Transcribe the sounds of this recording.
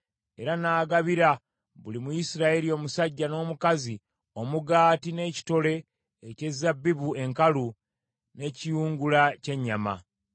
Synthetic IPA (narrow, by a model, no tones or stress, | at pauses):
e̞̰ɾanaːɡaβiɾa | βulimujisiɾaje̞ɾio̞ːmusaɟːano̞ːmukazi | o̞muɡaːtine̞ci̥to̞le̞ː | ce̞zabːiβue̞ŋkalu | ne̞cijuːŋɡulace̞ɲːama̰